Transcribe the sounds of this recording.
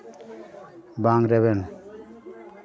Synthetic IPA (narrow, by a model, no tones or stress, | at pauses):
baŋɾɛβɛn